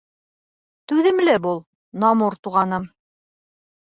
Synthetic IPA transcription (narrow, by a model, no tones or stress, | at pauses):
t̪ʉðɘ̆mlɘbulˠ | nɑmuɾt̪uʁɑnɤm